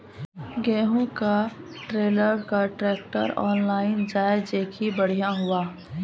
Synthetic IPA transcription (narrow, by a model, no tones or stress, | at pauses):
ɡɛːɦũkaʈɾeːləɾkaʈɾɛːk̚ʈə̰ɾɔːnlaːɪnd͡ʒaːed͡ʒeːkʰibəɽ̤ijaɦʊaː